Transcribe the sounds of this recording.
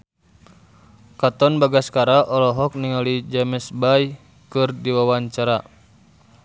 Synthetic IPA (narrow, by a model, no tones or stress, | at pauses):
kat̪ɔnbaɡaskaɾaʔɔlɔɦɔk̚niŋalid͡ʒamɛsbaj | kɨrdiwawaɲt͡ʃaɾa